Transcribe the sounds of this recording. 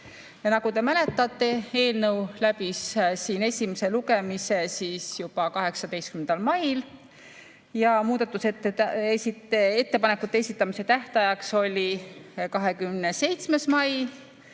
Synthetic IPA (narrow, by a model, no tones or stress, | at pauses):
jɑnɑɡ̥ut̪e̞mæle̞t̪ːˑɑt̪ːˑe̞e̞ːlnɤwlæbissiːne̞sʲimese̞luɡe̞mise̞siːsjub̥ɑkɑɦe̞ksɑd̪e̞jst̪̚kymend̪ɑlmɑjl | jɑmuːd̪ɑt̪ːˑuset̪ːeesieet̪ːe̞pɑne̞kːˑut̪ːˑe̞esʲit̪ːˑɑmise̞t̪æht̪ɑjɑkso̞lʲikɑɦe̞kymnese̞jt̪sme̞smɑj